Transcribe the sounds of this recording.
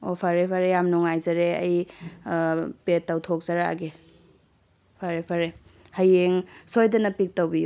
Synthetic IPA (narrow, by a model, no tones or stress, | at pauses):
opʰaɾepʰaɾejamnɔŋajzaɾeɐ̰j | petːawtʰok̚zaɾaa̰ɡe | pʰaɾepʰaɾe | hajeŋsojdɐnɐpik̚tawbiju